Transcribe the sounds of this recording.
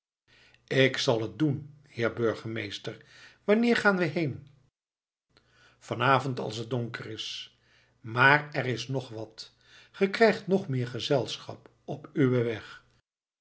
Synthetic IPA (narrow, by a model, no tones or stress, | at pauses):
ɪksɑlˠɦət̚dun | hɪːɹbøɹχəmejstəɹʋɑnɪːɹχaːnʋəɦejn | fɑnaːvɔntɑ̰lˠsət̚dɔŋkərɪs | maːrɛɾɪsnɔχʋɑt | χəkrɛjχtnɔχmɪːɹχəzɛlˠsχɑ̰p | ɔpyʋəʋɛχ